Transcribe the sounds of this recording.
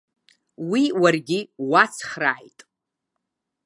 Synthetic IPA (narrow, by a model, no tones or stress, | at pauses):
wiwarɡʲiwat͡sʰχraːjtʼ